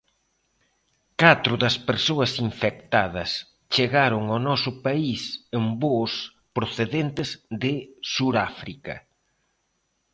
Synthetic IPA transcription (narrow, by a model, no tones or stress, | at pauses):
kat̪ɾʊðɐspeɾsoɐsiɱfek̚t̪aðɐ̰s | t͡ʃeɣaɾʊŋanɔsʊpaisembos | pɾoθeðent̪ɪzðɪsuɾafɾikɐ̰